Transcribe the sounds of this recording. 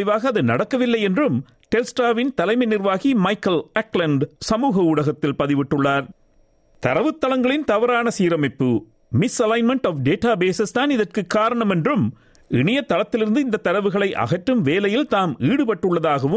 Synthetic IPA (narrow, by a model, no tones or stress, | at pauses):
ɪʋaːɣɐːðɯnɐɽɐkːɐʋɪlːɐjɛndrɯm | ʈɛlsʈaːʋɪnt̪ɐlɐɪmɐɪnɪrʋaːɣimɐɪkːɐlɐklɐɳɖsɐmuːɣɐʊɽɐɣɐt̪ːɪlpɐðɪʋɪʈːɯɭːaːɾ | t̪ɐɾɐʋɯt̪ːɐlɐŋɡɐɭɪnt̪ɐʋɐɾaːnɐsiːɾɐmɐɪpːɯ | mɪsɐlɐɪnmɛɳʈɔːfɖeːʈaːbeːsɐst̪aːnɪðɐrkɯkːaːɾɐɳɐmɛndrɯm | ʔɪɳɪjɐt̪ːɐlɐt̪ːɪlɪɾɯnd̪ɯɪnd̪ɐt̪ːɐɾɐʋɯɣɐɭɐɪʔɐ̰ɣɐʈɾɯmʋeːlɐjɪlt̪aːmiːɽɯpɐʈːɯɭːɐðaːɣɐʋɯm